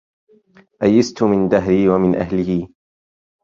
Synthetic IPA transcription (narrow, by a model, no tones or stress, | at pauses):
ʔajːɪst̪ʊmɪnd̪aɦɾiːwamɪnʔa̰hlɪhiː